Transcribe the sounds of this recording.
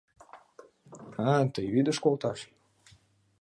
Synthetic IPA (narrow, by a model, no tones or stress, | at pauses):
at̪əjβid̪əʃkolt̪ɑʃ